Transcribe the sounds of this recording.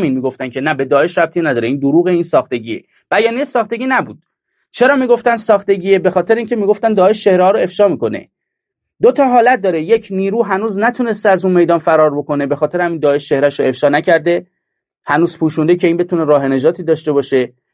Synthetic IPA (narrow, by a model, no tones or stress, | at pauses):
minmiːɡoft̪æncʰe̞næbe̞d̪ɒːe̞ʃɾæb̚t̪ʰiːnæd̪ɒːɾeiːnd̪oɾuːɣeiːnsɒːxt̪e̞ɟiːḛ | b̥æjɒːniejesɒːχt̪e̞ɟʲiːnæbuːd̪̥̚ | t͡ʃʰe̞ɾɒːmiːɡoft̪ænd̪sɒːxt̪e̞ɟiːebe̞xɒːt̪e̞ɾeiŋcʰemiːɡo̞ft̪ænd̪ɒːe̞ʃt͡ʃʰe̞hɾehɒːɾoe̞fʃɒːmiːko̞ne̞̰ | d̪ot̪ʰɒːɦɒːlæt̪̚d̪ɒːɾeje̞cʰniːɾuːɦænuːznæt̪ʰune̞st̪eæzunme̞jd̪ɒːnfæɾɒːɾbo̞ko̞ne̞be̞xɒːt̪e̞ɾhæmind̪ɒːe̞ʃt͡ʃe̞hɾæʃɾoe̞fʃɒːnæcʰæɾd̪e̞ | hænuːzpʰuːʃund̪ecʰe̞iːnbe̞t̪ʰune̞ɾɒːɦe̞ne̞d͡ʒɒːt̪ʰiːd̪ɒːʃt̪e̞bɒːʃe̞